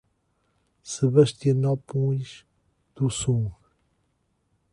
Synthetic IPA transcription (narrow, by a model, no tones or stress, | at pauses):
sɨβɐʃt̪iɐnɔpũj̃ʃ | d̪usũ